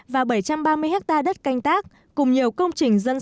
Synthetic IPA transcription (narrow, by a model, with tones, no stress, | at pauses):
vaː˨˩wɓə˧˩jt͡ɕa˧mɓaː˧mɨ˧əjhɦɛ˦˥k̚t̪aː˧ɗə˦˥t̚ka˧jŋ̟t̪aː˦˥k̚ːʊ˨˩ŋ͡mɲi˨˩əwkə˧wŋ͡mt͡ɕï˨˩ŋ̟zə˧n